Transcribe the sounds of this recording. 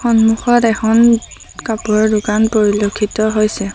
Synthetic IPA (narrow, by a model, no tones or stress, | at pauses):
xɔnmuxɔtɛxɔn | kapuɔɹdukanpoɹilokʰːitɔɦojsɛ